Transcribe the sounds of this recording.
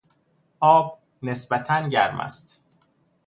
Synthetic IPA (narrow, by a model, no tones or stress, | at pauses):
ʔɒːb̚ | nesbæt̪ʰænɟæɾmæ̰st̪